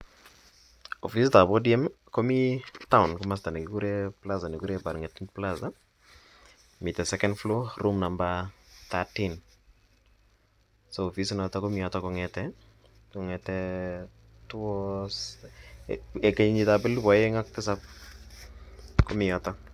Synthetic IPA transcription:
ofistabodiɛm | komitaʊnkɔmas̬tanɛkikuɾeplazanikuɾebaɾŋetinplaza | mitɛsɛkɛndfloɾʔumnambat̪atin | soːfisinɔtɔkɔmɪɔtɔkɔŋɛtɛ | kɔŋɛtɛ | tʊɔs | ekeɲiɲitabɛlbɔjeŋak̚tɪs̬ap̚ | kɔmɪɔtɔ

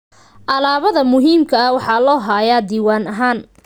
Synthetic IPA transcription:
ʔɐlaːβɐðɐmʊɦiːmkʰɐɐwɑħɑːlɔːɦaːjaːd̪iːwaːnɐɦaːn

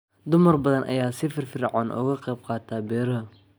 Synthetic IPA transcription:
d̪ʊmɐrbɐðɐnʔɐ̰jaːsɪfɪrfɪɾʕaːnʔɔ̰ːɣɐqɛjbqɑːt̪ʰaːbɛːɾɐɦɐ

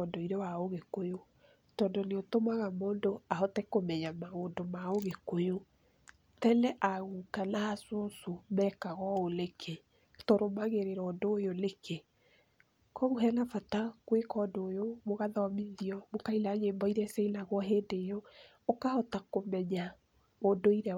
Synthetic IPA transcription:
ɔndɔiɾɛwaoɣekojo | tɔːndɔneotomaɣamoːndoahɔtɛkomɛɲamaɣoːndomaoɣekojo | tɛnɛʔaɣukanaasosomɛkaɣɔolekʰe | toɾomaɣeɾeɾɔdojolekʰe | kɔɣuɦɛnafatakwekɔdoːjomoɣaðawamiðiɔmokailaɲembɔiɾɛsɛilaɣwɔɦeːndejo | okahɔtakomɛɲa | odoiɾɛ

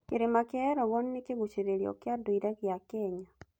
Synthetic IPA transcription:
keɾemakjaɾoɣonːekeɣut͡ʃiɾeɾjo̰kjadoiɾaɣjakɛɲa

